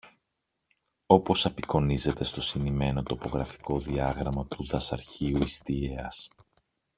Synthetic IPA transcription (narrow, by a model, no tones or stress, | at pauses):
o̞po̞sɐpiko̞nize̞t̪e̞st̪o̞sinime̞no̞t̪o̞po̞ɣɾɐfi̥ko̞ðiɐɣɾɐmɐt̪uðɐsɐɾçiuist̪ieɐs